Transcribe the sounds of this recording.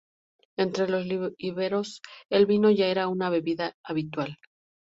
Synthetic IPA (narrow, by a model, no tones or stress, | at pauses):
e̞nt̪ɾe̞lo̞zliiβɾeɾo̞se̞lβino̞ʝae̞ɾaunaβe̞βiðaaβit̪wal